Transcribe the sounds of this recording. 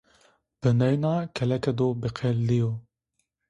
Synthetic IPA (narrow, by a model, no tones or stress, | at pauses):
b̥ɨnɛjnɑːkʰɛlɛkɛd̪oːbeqʰɛlːijo